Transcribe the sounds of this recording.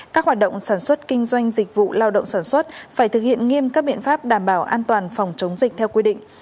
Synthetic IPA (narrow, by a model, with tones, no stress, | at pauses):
kaː˦˥k̚hwaː˨˩t̚ɗə̰˧˨wŋ͡msaː˧˩nswə˦˥t̚kï˧ŋ̟zwa˧jŋ̟zi˨˩k̟̚vṵ˧˨laː˧wɗə̰˧˨wŋ͡msaː˧˩nswə˦˥t̚faː˧˩jt̪ʰɨ˨˩k̚hḭ˧˨ənŋi˧mkaː˦˥k̚ɓḭ˧˨ə˨nfaː˦˥p̚ɗaː˧˩mɓaː˧˩wʔaː˧nt̪waː˨˩nfa˨˩wŋ͡mt͡ɕə˨˦wŋ͡mzi˨˩k̚t̪ʰɛ˧wkwi˧ɗḭ̈˧˨ŋ̟